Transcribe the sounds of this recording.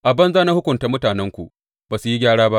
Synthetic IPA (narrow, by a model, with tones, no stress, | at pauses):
ʔa˨bɐ˦nzaː˦na˦hʊ˦kʷʊ˨ntaː˦mʊ˦taː˨nɛ˦ŋkʷu˨ʔ | b̥aː˨su˨ji˦ɡʲaː˦ɽaː˦ba˦ʔ